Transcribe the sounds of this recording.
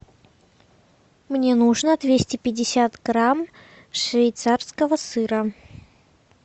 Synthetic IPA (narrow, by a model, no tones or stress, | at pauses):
mnʲenuʐnəd̪vʲesʲtʲɪpʲɪdʲɪsʲat̪ɡɾam | ʂvʲɪjt̪sarskəvəsɨɾə